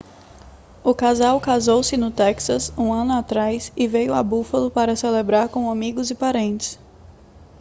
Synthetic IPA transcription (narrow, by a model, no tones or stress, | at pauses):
ʊkazawkazowsɪnʊt̪ɛksɐsũɐ̃nʊat̪ɾajsɪvejʊabufɐlʊpaɾɐselebɾaɾkõamiɡʊzɪpaɾẽnt͡ʃɪ̥s